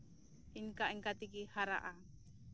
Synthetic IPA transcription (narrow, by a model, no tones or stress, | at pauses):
iŋkaʔiŋkat̪ikihaɾa̰ʔa